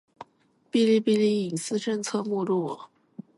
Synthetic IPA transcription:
pi˥˧li˥˧pi˥˧li˥˩i˨˩ŋsɹ̩˥ʈ͡ʂə˥˧nt͡sʰɤ˥˧mu˥˧ɻu˥˩

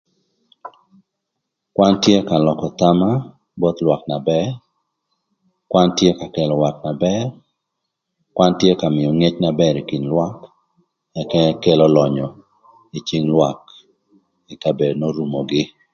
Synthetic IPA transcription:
kwa˦ntje˦ka˨lɔ˨kɔ˨t̪a˦ma˦ | bɔ˦t̪lwa˨kna˨bɛ˦r | kwa˦ntje˦ka˨kɛ˨lɔ˨wa˨kna˨bɛ˦r | kwa˦ntje˦ka˨mɪ˨ɔ˨ŋe˦t͡ʃna˦bɛ˦ɾi˨ki˨nlwa˦k | ɛ˨kɛ˦kɛ˦lɔ˦lɔ˨ɲɔ˨ | i˨t͡ʃi˦ŋlwa˨k | i˨ka˨be˨dno˦ɾu˨mo˨ɡɪ˦

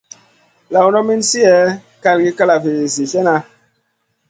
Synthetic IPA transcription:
la˨wnɔ˦mi˦n˦si˦ɛ˦ | ka˦lɡi˦ka˦la˨ve˨li˨si˨sɛ˦na˦

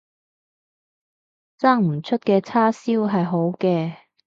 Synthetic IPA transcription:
t͡saː˥ŋm̩˨˩t͡ʃʰɵ˥t̚kɛː˧t͡sʰaː˥siː˥wɦɐ˨jɦo˨˥wkɛː˧

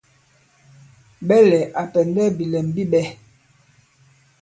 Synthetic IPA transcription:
ɓɛ˦lɛ˨ʔa˨pɛ˨ndɛ˦bi˨lɛ˨m˨bi˦ɓɛ˦

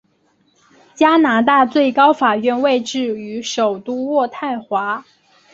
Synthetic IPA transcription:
t͡ɕja˥na˧˥t̪a˥˧t͡swe˥˩ɪkɑ˥ʊfa˨˩ɥɛ˥˧nwe˥˧ɪʈ͡ʂɻ̩˥˩y˧˥ʂo˨˩ʊt̪u˥wɔ˥˧t̪ʰa˥˩ɪxwa˧˥

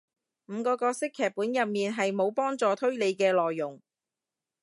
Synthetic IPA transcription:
m̩ː˨˧kɔː˧kɔː˧sɪ˥kʰːɛː˨˩k̚pːuː˨˥njɐ˨p̚miː˨nɦɐ˨jmo˨˧wpɔː˥ŋt͡sɔː˨t̪ʰɵ˥ɥle˨˧jkɛː˧lɔː˨jːʊ˨˩ŋ

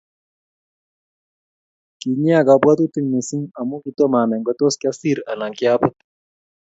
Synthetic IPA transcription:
ki˨ɲi˦a˦˨ka˨bwa˦t̪u˦ti˦ɲni˨si˦ŋa˨mu˦ki˨tɔ˦ma˨nɛ˨ŋɡɔ˦to˦ski˦a˦si˦˨ɾa̰˨la˨ŋki˦a˦bʊ˦t̪̚

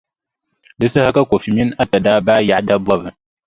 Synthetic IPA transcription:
dɨ˦sa˦ha˦ka˦kʷo˨fi˨mi˦n˦a˦ta˨daː˦baː˦ja˨ʔda˦bɔ˦bɨ˨

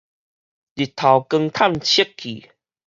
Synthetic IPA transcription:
li˨˩t̪ʰa˨wkə˧ŋt̪ʰa˥˨mt͡ɕʰi˦kkʰḭ˨˩

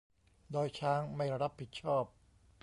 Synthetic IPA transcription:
dɔː˧jt͡ɕʰaː˦˥ŋma˥˩jɾa˧ɾa˦˥pʰːi˨˩t̪̚t͡ɕʰɔː˥˩p̚

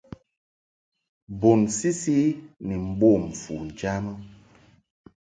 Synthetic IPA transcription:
bo˨nsi˦si˦ni˨m̩˨bo˦˨m̩˨fu˨n˨d͡ʒa˦mə˦

